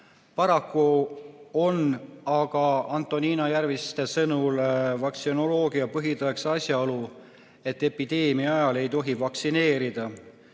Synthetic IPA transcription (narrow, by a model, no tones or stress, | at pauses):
pɑɾɑkːu | o̞nɑɡ̥ɑɑnt̪ːˑo̞niːnɑjærvist̪e̞sɤnulvɑksino̞lo̞ːɡ̥iɑpɤɦid̪ɑksɑsjɑolu | e̞t̪ːe̞pid̪̥e̞ːmiɑɑjɑle̞jt̪o̞ɦivɑksine̞ːɾid̪̥ɑ